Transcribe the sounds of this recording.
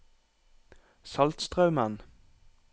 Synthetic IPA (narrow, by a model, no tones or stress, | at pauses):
sɑlt̪st̪ʁɑʉmən